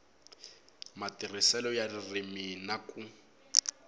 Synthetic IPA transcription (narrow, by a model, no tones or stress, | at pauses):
matirisɛlɔjaririminaku